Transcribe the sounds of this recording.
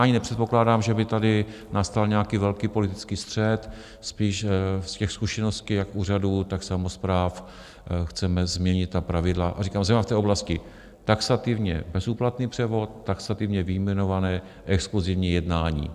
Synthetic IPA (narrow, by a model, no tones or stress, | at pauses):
aɲɪnɛpr̥ɛt̪̚po̞klaːdaːmʒɛbɪt̪adɪ | nast̪alɲɛakiːvɛlkiːpo̞lɪt̪ɪt͡skiːst̪r̝̥ɛt̪ | spiːʃscɛxskuʃɛnost̪̚cɪjakuːr̝aduːt̪aksamospɾaːf | xt͡sɛmɛzmɲɛɲɪt̪t̪ːapɾavɪdlaʔa̰riːkaːmsɛmnaft̪ɛːʔoblascɪ | t̪aksat̪ɪvɲɛ̰bɛzuːplat̪niːpr̥ɛvo̞t̪ːaksat̪ɪvɲɛvɪjmɛno̞vanɛː | ʔɛkskluzɪvɲiːjɛdnaːɲḭː